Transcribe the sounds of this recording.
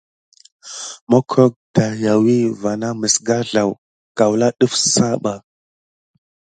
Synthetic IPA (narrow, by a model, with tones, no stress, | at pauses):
mo˦kʰo˦k̚d̥a˨ja˨wi˦va˨na˦mə˨sɡa˦ɮa˨w | ka˨wla˦ɗu˦fsa˦ɓa˨